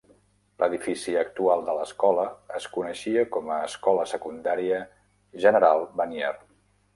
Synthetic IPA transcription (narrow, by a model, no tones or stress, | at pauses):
lʔəðifisiək̚t̪ualˠd̪ələskɔləːskunəʃiəkɔməːskɔləsəkund̪aɾiə | ʒənəɾalˠbənjɛr